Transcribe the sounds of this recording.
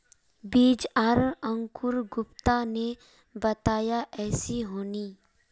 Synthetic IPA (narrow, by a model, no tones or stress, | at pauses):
biːd͡ʒəɾə̃ŋkʊɾɡʊpt̪ane | bɐt̪aːjaʔɛːsiɦoːniː